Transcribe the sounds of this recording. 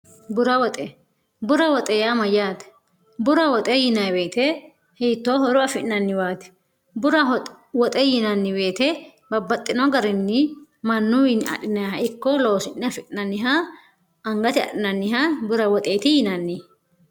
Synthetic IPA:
bʊɾɐwɔt̪ʼɛ | bʊɾɐwɔt̪ʼɛjamɐjaːt̪ɛ̥ | bʊɾɐwɔt̪ʼɛjɪnɐjbe̞ːt̪ɛ | hiːt̪ːoːɦɔɾʊɐfɪʔɪnɐnːɪwaːt̪ɛ̥ | bʊɾɐ | wɔt̪ʼɛjɪnɐnːɪbe̞ːt̪ɛ | bɐbːɐt̪ʼːɪnɔɡɐɾɪnːɪ | mɐnːʊwɪnɐ̰ɗɪnɐjhɐɪkːɔlo̞ːsɪnnɪɐfɪᶑɪnɐnːɪɦa | ɐŋɡɐt̪ɪɐ̰ɗɪnɐnːɪɦabʊɾɐwɔt̪ʼeːt̪ɪjɪnɐnːɪ

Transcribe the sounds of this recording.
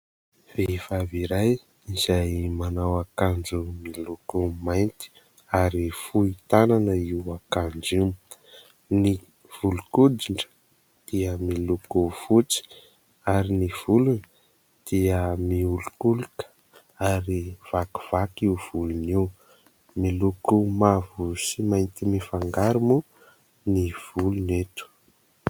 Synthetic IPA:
v̥efaviɾaj | izajmanawakand͡ʒumilukumajnt̪i̥ | aɾifuit̪ananəiwakand͡ʒiw | ni | v̥ulukudiɳɖ͡ʐə̥ | d̪̥iəmilukuv̥ut͡si̥ | aɾiniv̥ulunə̥ | d̪̥iəmiulukuluk | aɾiv̥aku̥v̥akiuv̥uluniw | milukumavusimajnt̪imifaŋɡaɾumu | niv̥ulunet̪u̥

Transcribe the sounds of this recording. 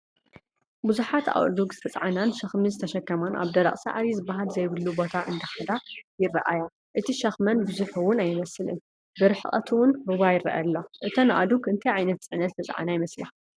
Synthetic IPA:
buzuħat̪a̰wd̪uɡzɨt̪ʰɐt͡sʼʕananʃɐxmizɨt̪ʰɐʃɐkːɐmanʔa̰βd̪ɐɾɐ̰χʼsa̰ʕaɾizɨbːaɦalzɐjβɨlːubo̞t̪ʰaʔɨnd̪ɐxɐd̪ajɪrɐʔaja | ʔɨt̪ʰiʃɐxmɐnbɨzuħuwʊnajɪmɐsɨlɨ̰n | bɨɾħɨχʼɐ̰t̪ʰɨwʊnɾuβajɪrɐ̰ʔaɐ̰lːoʔɨt̪ʰonɨʔa̰d̪uɡɨnt̪ʰɐjʕajnɐt̪̚t͡sʼɨʕnɐt̪zɨt̪ʰɐt͡sʼʕa̰najɪmɐsla

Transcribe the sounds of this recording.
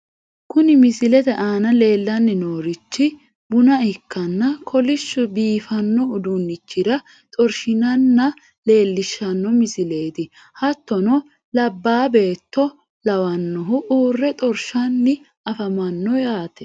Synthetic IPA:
kʊnɪmɪsɪlɛt̪ɛʔaːnɐle̞ːlːɐnːɪnoːɾɪt͡ʃːɪ | bʊnɐɪkːɐnːɐkʰɔlɪʃːʊbiːfɐnːɔːd̪ʊnːɪt͡ʃːɪd̪ɐ | t̪ʼɔɾʃɪnɐnːɐ | le̞ːlːɪʃːɐnːɔmɪsɪle̞ːt̪ɪ | hɐt̪ːɔnɔ | lɐbːaːbe̞ːt̪ːɔ | lɐwɐnːɔɦʊʔuːrːɛt̪ʼɔɾʃɐnːɪ | ɐfɐmɐnːɔjaːt̪ɛ̥

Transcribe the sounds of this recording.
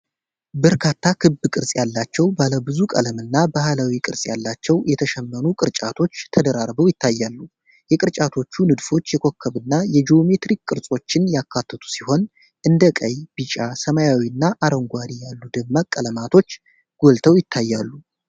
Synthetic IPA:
bəɾkʰat̪ʰːakʰɨbɨkʼɨɾsʼjalːat͡ʃːɛwbaləbɨzukʼə̰ləmɨnːabahlawikʼɨɾsʼja̰lːat͡ʃːɛwjɛt̪ʰəʃɛmːənukʼɨɾt͡ʃʼa̰t̪ʰo̞t͡ʃːt̪ʰəd̪əɾaɾbəwjɪt̪ʰːajːalːu | jɛkʼɨɾt͡ʃʼat̪ʰo̞t͡ʃːunɨd̪fo̞t͡ʃːjɛkʰo̞kʰːəβɨnːajɛd͡ʒiome̞t̪ɾikkʼɨɾsʼo̞t͡ʃːɪnjakʰːat̪ʰːət̪ʰu̥siho̞n | ʔɨnd̪əkʼəjb̥ɨt͡ʃʼasəmajawiɨnːaʔaɾəŋɡʷaɾijalːud̪ɨɡmakʼːələmat̪ʰo̞t͡ʃː | ɡ̥o̞lt̪ʰəwjɪt̪ʰːajːalːu

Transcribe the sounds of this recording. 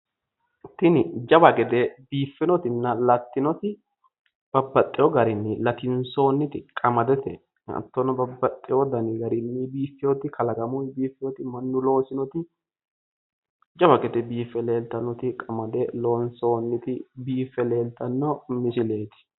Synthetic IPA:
t̪ːɪnɪd͡ʒɐbɐɡɛd̪ɛbiːfːɪnɔt̪ɪnːɐlɐt̪ːɪnɔt̪ɪ | b̥ɐbːɐt̪ʼːɪjɔɡɐɾɪnːɪlɐt̪ɪnso̞ːnːɪt̪ɪkʼɐmɐd̪ɛt̪ɛ̰ | ɐ̰t̪ːɔnɔbɐbːɐt̪ʼːɪjɔd̪ɐnɪɡɐɾɪnːɪbiːfːɪjɔt̪ɪkʰɐlɐɡɐmʊjbiːfːɪjɔt̪ɪmɐnːʊlo̞ːsɪnɔt̪ɪ | d͡ʒɐbɐɡɛd̪ɛbiːfːɛle̞ːlt̪ɐnːɔt̪ɪkʼɐmɐd̪ɛlo̞ːnso̞ːnːɪt̪ɪbiːfːɛle̞ːlt̪ɐnːɔmɪsɪle̞ːt̪ɪ̥

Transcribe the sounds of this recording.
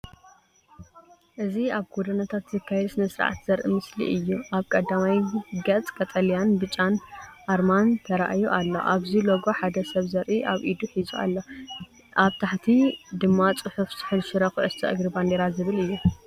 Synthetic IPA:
ʔɨziaβɡod̪ɐnat̪ʰat̪zɨkʰːajɛd̪snɨsɨɾ̰ʕa̰t̪z̥ɐɾʔḭmɨslḭʔɨjːuʔaβkʼɐd̪ːamajɡɐt͡s̪ʼkʼɐt̪ʼɐlijanbɨt͡ʃʼːanʔaɾmant̪ʰɐɾaʔajuʔalːo̰ʔaβziloɡoħad̪ɐsɐβzɐɾʔiʔaβʔid̪uħizua̰lːo | ʔaβt̪ʰaħt̪ʰid̪ɨmːat͡sʼɨħufzʰɨ̥ħɨlʃɨɾɐxʔɨst̪ʰɐ̰ʔɨɡɾiband̪eɾazɨβɨlɨjːu

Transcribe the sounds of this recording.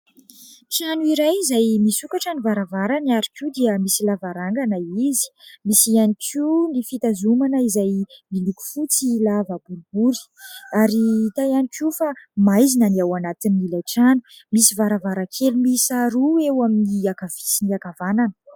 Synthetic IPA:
ʈ͡ʂanuiɾajizajmisukaʈ͡ʂanivaɾavaɾanaɾikud̪iəmisilavaɾaŋɡanaizi̥misianikʰunifit̪azumanəizajmiluku̥fut͡silavəbuɾibuɾi̥ | aɾit̪ajanikʰufamajzinaniawanat̪iniilajʈ͡ʂanu̥misivaɾavaɾakʰelumisaɾuewaminiakav̥i̥siniakavananə̥

